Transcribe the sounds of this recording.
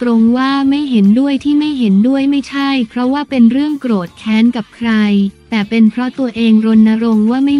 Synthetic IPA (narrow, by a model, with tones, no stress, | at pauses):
t̪ɾo˧ŋwaː˥˩ma˥˩jɦe˩˦ndu˥˩əjt̪ʰiː˥˩ma˥˩jɦe˩˦ndu˥˩əjma˥˩jt͡ɕʰa˥˩jpʰɾɔ˦˥waː˥˩pe˧nɾɯ˥˩əŋkɾoː˨˩t̪̚kʰɛː˦˥nka˨˩p̚kʰɾa˧jt̪ɛː˨˩pe˧npʰɾɔ˦˥t̪u˧ɐʔeː˧ŋɾo˧nːa˧˥ɾo˧ŋwaː˥˩ma˥˩